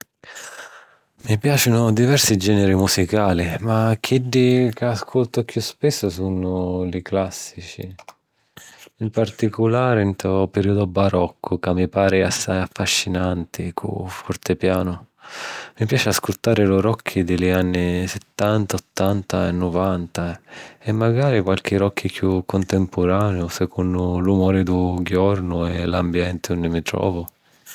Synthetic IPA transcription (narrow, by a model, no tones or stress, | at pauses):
mipjaːt͡ʃɪnʊd̪ivɛrsid͡ʒɛːnɛɾimusikaːlimakʰːiɖːikaːskʰolt̪ʊkjuspɪsːʊsunʊlɪklasːit͡ʃḭ | impart̪ikʊlaːɾɪnt̪ɔpeɾiːud̪ʊbaɾɔkʰːʊkamːipaːɾɪasːajafːaʃːinant̪ɪkʰʊ̰fɔrt̪ɪpjaːnʊ | mipjaːt͡ʃɪaskut̪ːaːɾɪlʊɾɔkʰːid̪ɪlianːisɪt̪ːant̪aɔt̪ːant̪aɛ̰nːʊvant̪aɛmːaɡaːɾikwalk̟ɪɾɔkʰːikʰjukʰːʊnt̪ɛmpʰʊɾaːneʊsɛkʰunːʊlumɔːɾɪd̪uɡjɔrnʊɛlambjɛnt̪ɪund̪ɪmit̪ɾɔ̰ːvʊ